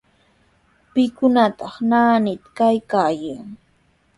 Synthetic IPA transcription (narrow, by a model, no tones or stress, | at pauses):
pɪkʊnat̪ɑχnaːnɪt̪kajkaːjaŋ